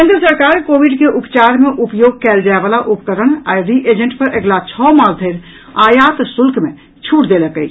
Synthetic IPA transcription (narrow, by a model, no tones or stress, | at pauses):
kẽːnd̪ɾəsəɾkaːɾkoʋiɖkeʔupt͡ʃaɾmeʔupjoɡ̚kɛld͡ʒaebalaʔupkəɾəɽ̃aɾiʔed͡ʒə̃ɳʈpəɾʔeɡlat͡ʃʰɔmald̪ʱəɪɾ | ajat̪sulkʰme | t͡ʃʰuʈd̪eləkəɪt͡ʃʰ